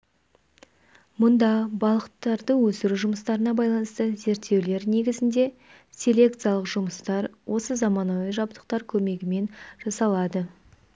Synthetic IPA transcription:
mʊnd̪ɑbɑlˠəqət̪ːɑɾd̪əwɵsɪɾuʒʊməst̪ɑɾənɑbɑjlˠɑnəst̪əze̞ɾt̪ʰːewle̞ɾne̞ɡʲɪzɪnd̪e̞ | sʲe̞lʲe̞k̚t̪sɨjalˠəqʒʊməst̪ɑɾwʔo̞səzɑmɑnojəʒɑp̚t̪ə̥q̚t̪ɑɾkʲʰɵme̞ɡʲɪme̞nʒ̥ɑsɑlˠɑd̪ə

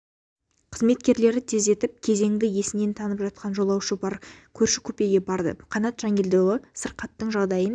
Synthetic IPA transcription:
qʰəzme̞t̪̚kʲe̞ɾle̞ɾɪt̪ʰe̞ze̞t̪ɪp̚kʲʰe̞ze̞ŋd̪ɪje̞sɪnent̪ʰɑnəpʒɑt̪̚qʰɑnʒo̞lˠɑwʃəbɑɾkʲʰɵɾʃɪkʲʰɵpe̞ɡʲe̞bɑɾd̪ə̰qʰɑnɑt̪ʒ̥ɑŋʲeld̪olˠəsəɾqɑt̪ːəɴʒɑʁd̪ɑjən

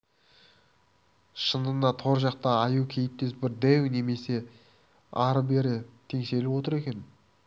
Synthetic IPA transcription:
ʃənənɑt̪ʰo̞ɾʒɑq̚t̪ɑːjukʲʰe̞jɪp̚t̪esbɪɾd̪ewne̞me̞se̞ | ɑɾəbe̞ɾɪt̪ʰe̞ŋse̞lɪpwo̞t̪əɾe̞kʲe̞n

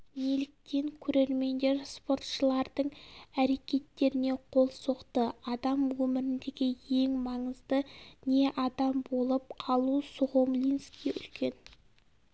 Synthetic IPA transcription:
melɪk̚t̪e̞ŋkʲʰɵɾe̞ɾme̞nd̪e̞ɾspo̞ɾt̪ʃəlˠɑɾd̪əɴæɾe̞kʲe̞t̪ːe̞ɾɪne̞qʰo̞lˠso̞qt̪əɑd̪ɑmwɵmɪɾɪnd̪e̞ɡʲɪje̞ŋmɑɴəzd̪əne̞ʔɑd̪ɑmbo̞lˠəp̚qʰɑlˠusʊʁomlʲinskʲijʏ̰lkʲe̞n

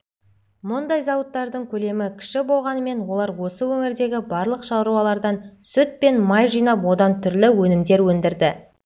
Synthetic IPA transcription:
mʊnd̪ɑjzɑwət̪ːɑɾd̪əɴkʲʰɵle̞mɪkʲʰɪ̥ʃɪbolˠʁɑnəme̞nwo̞lˠɑɾwo̞səwɵŋɪɾd̪e̞ɡʲɪbɑɾlˠəqʃɑɾuwɑlˠɑɾd̪ɑnsʏt̪̚pe̞nmɑjʒijnɑpwo̞d̪ɑnt̪ʰʏɾlɪwɵnɪmd̪e̞ɾwɵnd̪ɪɾd̪ɪ

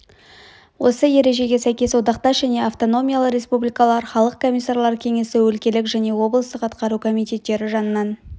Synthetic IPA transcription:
wo̞səje̞ɾe̞ʒe̞ɡʲe̞sæjkʲe̞swo̞d̪ɑqt̪ɑsʒæne̞aft̪o̞no̞mʲijalˠəɾe̞spublijkɑlˠɑɾχɑlˠəq̚kʰo̞mʲisaɾlˠɑɾkʲʰeŋe̞sɪwɵlkʲe̞lɪkʒæne̞wo̞blˠəst̪əqɑt̪qɑɾukʰo̞mijt̪ʲe̞t̪ːe̞ɾɪʒɑnənɑn

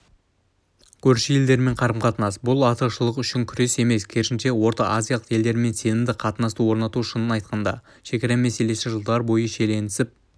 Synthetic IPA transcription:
kʲʰɵɾʃɪje̞ld̪e̞ɾme̞ɴqʰɑɾəmqɑt̪ənɑsbʊlˠɑt̪əʃəlˠəqʏʃɪŋkʲʰʏɾe̞se̞me̞skʲʰeɾʃɪnʃe̞wo̞ɾt̪ɑʔazʲijalˠəqje̞ld̪e̞ɾme̞nse̞nɪmd̪ɪqʰɑt̪ənɑst̪əwo̞ɾnɑt̪uʃənənɑjt̪̚qɑnd̪ɑ̰ | ʃe̞kʲeɾemese̞le̞sɪʒəlˠd̪ɑɾbo̞jəʃe̞le̞nɪ̥sɪp̚

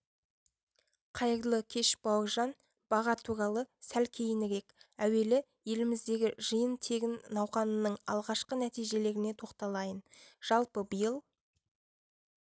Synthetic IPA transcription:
qʰɑjəɾlˠəkʲʰe̞ʃbɑwəʒɑn | b̥ɑʁɑt̪ʰuɾɑlˠəsælkʲʰe̞jɪnɪɾe̞kæwe̞lɪ | je̞lɪmɪzd̪e̞ɡʲɪʒəjənt̪ʰe̞ɡʲɪnːɑwχɑnənəɴɑ̰lˠʁɑʃqənæt̪ijʒe̞le̞ɾɪne̞t̪ʰo̞qt̪ɑlˠɑjənʒ̥ɑlˠpəbəjəlˠ

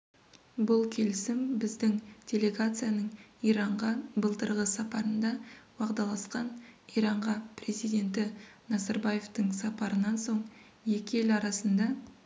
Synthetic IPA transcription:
bʊlˠkʲʰe̞lɪsɪmbɪzd̪ɪŋd̥ʲe̞le̞ɡat̪sɨjanəɴijɾɑɴʁɑbəlˠt̪əɾʁəsɑpɑɾənd̪ɑwɑqd̪ɑlˠɑsqɑnijɾɑɴʁɑprʲe̞zijd̪ʲe̞nt̪ɪnɑzɑɾbɑje̞ft̪əɴsɑpɑɾənɑnso̞ɴ | je̞kʲɪelɑɾɑsənd̪ɑ

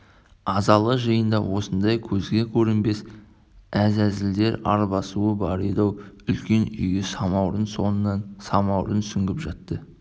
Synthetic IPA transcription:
ɑzɑlˠəʒəjənd̪ɑ̰wʔo̞sənd̪ɑjkʲʰɵzɡʲe̞kʲʰɵɾɪmbe̞s | æzæzɪld̪e̞ɾɑ̰ɾbɑsuəbɑɾid̪ɑwʏlkʲe̞nʏ̰jɡʲesɑmɑwɾənsonənɑnsɑmɑwɾənsʏŋɡʲɪpʒɑt̪ːə

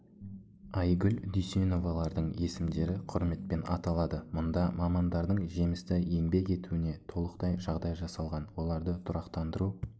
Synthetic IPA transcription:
ɑjɡʲʏlʲd̪yseno̞vɑlˠɑɾd̪əɴe̞sɪmd̪e̞ɾɪqʰʊɾme̞t̪̚pe̞nɑ̰t̪ɑlˠɑd̪əmʊnd̪ɑmɑmɑnd̪ɑɾd̪əɴʒe̞mɪst̪ɪje̞ŋbe̞ke̞t̪uɪne̞t̪ʰo̞lˠəqt̪ɑjʒɑʁd̪ɑjʒɑsɑlˠʁɑnwo̞lˠɑɾd̪ət̪ʰʊɾɑqt̪ɑnd̪əɾu

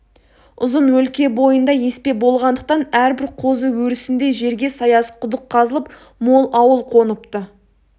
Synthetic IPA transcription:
ʊzənwɵlkʲe̞bo̞jənd̪ɑje̞spe̞bo̞lˠʁɑnd̪əq̚t̪ɑnæɾbɪɾqʰo̞zəwɵɾɪsɪnd̪e̞ʒe̞ɾɡʲe̞sɑjɑsə̥qʰʊd̪əqʰːɑzəlˠəp | mo̞lˠɑwəlˠqʰo̞nəp̚t̪ə

